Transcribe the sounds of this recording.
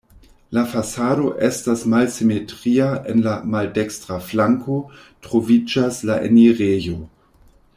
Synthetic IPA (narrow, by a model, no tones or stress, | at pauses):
lafasado̞ʔestasmalsimetʁiaʔḛnlamaldekstʁaflaŋko̞ | tʁ̥o̞vid͡ʒaslaʔḛniʁejo̞